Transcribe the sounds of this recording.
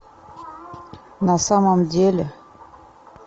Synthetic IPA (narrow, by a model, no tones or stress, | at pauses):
nasamamd̪ielə